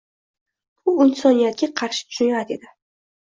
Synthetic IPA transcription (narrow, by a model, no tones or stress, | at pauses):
ʊɪnsɒnijat̪̚kʲaqʰɑɾʃɪ̥t̪ʰʊ̥ʃʊnjad̪e̞d̪ɪ